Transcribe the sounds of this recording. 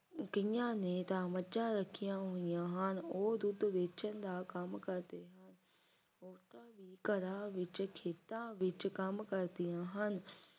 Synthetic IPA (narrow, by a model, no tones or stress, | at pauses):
kĩjãnẽt̪ãmɐt͡ɕaɾɐkʰijãɦũijãɦənɪ̆oːɦd̪ʊd̪ʋeːt͡ɕənɪ̆d̪akɐmkɐɾt̪eɦənɪ̆ | oːt̪ãbʱikɐɾãʋɪt͡ɕʊ̆kʰeːt̪ãʋɪt͡ɕ̆kɐmkɐɾt̪ijãɦənɪ̆